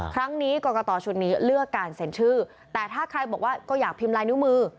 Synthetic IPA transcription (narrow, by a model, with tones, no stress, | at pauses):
kʰɾa˦˥ŋniː˦˥kɔː˧kɔː˧t̪ɔː˧t͡ɕʰu˨˩t̪̚niː˦˥lɯ˥˩əkːaː˧nse˩˦nt͡ɕʰɯː˥˩ | t̪ɛː˨˩t̪ʰaː˥˩kʰɾa˧jbɔː˨˩k̚waː˥˩kɔː˥˩jaː˨˩k̚pʰi˧mlaː˧jnu˦˥mɯː˧